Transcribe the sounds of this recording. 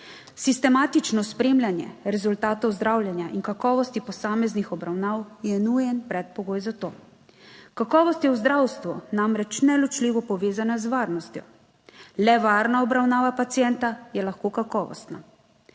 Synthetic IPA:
sist̪ɛmaːt̪it͡ʃnɔspɾeːmlʲjanjɛ̰ɾɛzult̪aːt̪ɔwzd̪ɾaːwlʲjɛnjaʔinkakɔːʋɔst̪ipɔsaːmɛznixɔbɾawnaːwjɛnujɛnpɾɛt̪̚pɔɡoːjzat̪oː | kakɔːʋɔst̪jɛwzd̪ɾawst̪ʋunamɾɛt͡ʃnɛlɔt͡ʃliːʋɔpɔʋeːzanazʋaːɾnɔst̪jɔ̰ | lɛʋaːɾnaɔbɾawnaːʋapat̪sijɛnt̪ajɛlaxkoːkakɔːʋɔ̰st̪na̰

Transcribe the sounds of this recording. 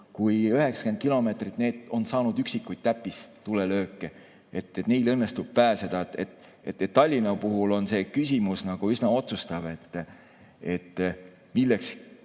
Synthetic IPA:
kujyɦe̞ksɑ̥ked̪̚kilo̞me̞ːt̪rit̪ne̞ːd̪̥o̞nsɑːnud̪̥yksikːˑujt̪̚t̪æpːˑist̪ulelø̞ːkˑːe | et̪ːet̪ne̞jlɤ̞nːe̞st̪ub̥̚pæːse̞d̪̥ɑet̪et̪ | et̪ːet̪ːɑlʲːinɑpuɦulo̞nse̞ːkysʲimusnɑɡ̥uysnɑo̞t̪sust̪ɑb̥e̞t̪ˑː | e̞t̪ː | milːeks

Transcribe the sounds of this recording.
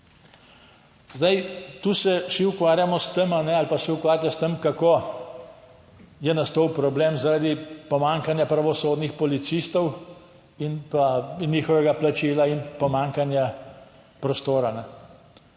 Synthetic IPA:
zd̪ajt̪uːsɛʃiukʋaːɾjamɔst̪əmanɛalpasɛukʋaːɾʲjast̪əmkakoː | jɛnast̪owpɾɔblemzaɾad̪ipɔmaːŋkanjapɾaʋɔsoːd̪nixpɔlit̪sist̪ɔw | inpaniːxɔʋɛɡaplat͡ʃiːlainpɔmaːŋkanja | pɾɔst̪oːɾanɛ

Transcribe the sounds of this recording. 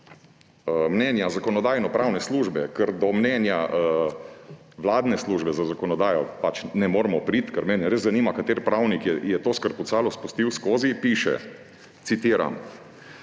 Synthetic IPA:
əmnɛnjazakɔnɔd̪aːjnɔpɾawnɛsluːʒbɛkəɾd̪ɔmnɛnja | ʋlaːd̪nɛsluʒbɛzazakɔnɔd̪aːjɔpat͡ʃnɛmoːɾmɔpɾit̪kəɾmɛnɛɾezzaniːmakat̪eːɾpɾawnikjɛjɛt̪oːskəɾpɔsaːlɔspust̪iwskoːzipiːʃɛ̰ | t̪sit̪iːɾa̰m

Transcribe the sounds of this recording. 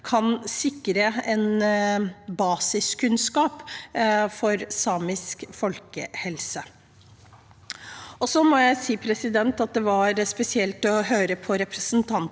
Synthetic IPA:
kʰɑnsɪkːɾəɛn | bɑːsɪskʉnskɑːp | fɔɾsɑːmɪskfɔlkə̰hɛlsə | ɔsɔmɔjæɪsiːpʰɾɛsɪd̪ɛnt̪ɑt̪̚d̪ɛʋɑɾspɛsɪɛlt̪ɔɦøːɾəpʰɔɾɛpɾəsnt̪ʰɑn

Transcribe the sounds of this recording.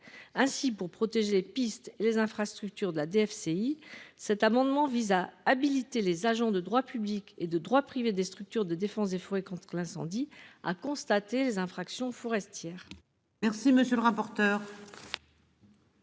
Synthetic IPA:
ɛ̃sipuʁpχɔt̪eʒelepist̪elezɛ̃fχast̪χyk̚t̪yʁd̪əlad̪eɛfseisɛt̪amɑ̃d̪mɑ̃vizaːbilit̪elezaʒɑ̃d̪əd̪ʁwapybliked̪əd̪ʁwapχived̪est̪χyk̚t̪yʁd̪əd̪efɑ̃sd̪efuʁekɔ̃t̪χəlɛ̃sɑ̰̃d̪ia̰kɔ̃st̪at̪elezɛ̃fχaksjɔ̃fɔʁɛst̪jɛːʁ | mɛʁsiməsjøləʁapɔʁt̪œːʁ

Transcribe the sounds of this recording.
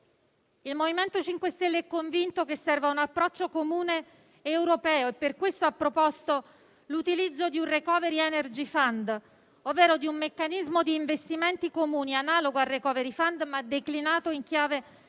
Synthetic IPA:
ilmoviment̪ot͡ʃiŋkwest̪elːeɛkːoɱvint̪okesːɛrvaunapːɾɔt͡ʃːokomuːneː | wɾopɛːoepːerkwest̪oapːɾopɔst̪o | lut̪ilid̪zːod̪iunrekɔːveɾiɛnerd͡ʒifand̪ | ovːɛːɾod̪iumːekːanizmod̪iːɱvest̪iment̪ikomuːnianaːloɡoarːekɔːveɾifand̪mad̪eklinaːt̪oiŋkjaːve

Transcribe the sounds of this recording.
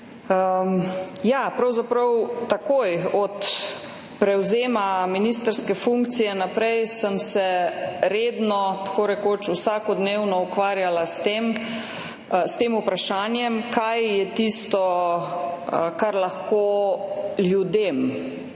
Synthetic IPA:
ə | japɾawzapɾɐwt̪akojɔt̪ | pɾɛwzeːmaminist̪əɾskɛfuŋkt̪sijɛnapɾɛjsəmsɛɾeːd̪nɔt̪ḁkoːɾɛkoːt͡ʃusaːkɔd̪newnɔukʋaːɾjalast̪em | st̪eːmupɾaʃaːnjɛmkajjɛt̪ist̪ɔ | əkaɾlaxko | ljud̪em

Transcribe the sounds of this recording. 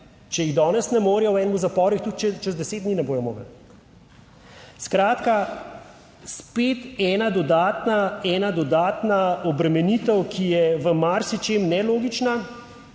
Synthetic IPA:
t͡ʃɛjiɣd̪ɔːnɛsnɛmoːɾjɔwɛːnɛmuzapɔːɾuixt̪uk̪t͡ʃɛt͡ʃɛzd̪ɛseːd̪d̪niːnɛboːjɔmo̰ːɡəl | skɾaːt̪ka | speːt̪ɛːnad̪ɔd̪aːt̪naɛːnad̪ɔd̪aːt̪naɔbɾɛmɛnit̪ɛwkʰijɛʋəmaɾsit͡ʃemnɛloːɡit͡ʃna

